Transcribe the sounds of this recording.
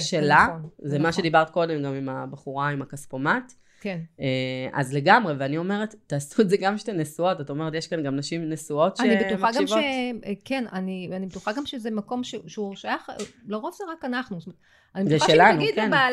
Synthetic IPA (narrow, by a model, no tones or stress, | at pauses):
ʃelazemaʃed̪ibaʁtko̞de̞mɡamimabaχuʁaimakaspomat | keea̰zle̞ɡamʁe̞veanio̞meʁetːaːsuezeɡamʃtenesuo̞tatao̞me̞ʁetjeʃkanɡamnaʃimnesuo̞tʃaenibet̪uxaɡamvoekenanianibetuχaɡamʃezemako̞mʃeʃeuʃajaχloʁofzeʁakanaχnust̪ome | animzeʃelanuɡidkena